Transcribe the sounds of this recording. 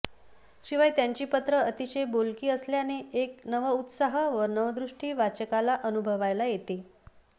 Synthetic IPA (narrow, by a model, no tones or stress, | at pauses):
ɕiʋajt̪jaɲt͡ɕiːpət̪ɾəət̪iɕejbolkiːəsljaneeknəʋəut̪saɦəʋənəʋəd̪ɾuʂʈiːʋat͡ɕəkalaʔənubʱəʋajlajet̪e